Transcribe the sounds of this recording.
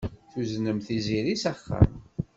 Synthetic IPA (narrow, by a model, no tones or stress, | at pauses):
θuznəmθiziɾisaχːə̰m